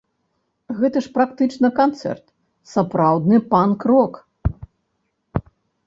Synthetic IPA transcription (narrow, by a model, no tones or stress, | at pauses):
ɣɛt̪ɐʂpɾakt̪ɨt͡ʂnɐkant̪sɛ̰rt̪ | sapɾawd̪nɨpankrɔk